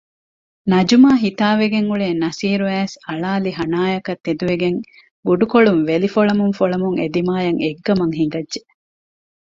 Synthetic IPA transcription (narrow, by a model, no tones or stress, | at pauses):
nɐd͡ʒumaːɦit̪aːʋeɡeŋuɭeːnɐsiːɾuæːsɐɭaːliɦɐnaːjɐkɐt̪ːed̪uʋeɡeŋ | buɖukoɭuŋʋelifoɭɐmuŋfoɭɐmuŋed̪imaːjɐŋeɡːɐmɐŋɦiŋ̆ɡɐdʒe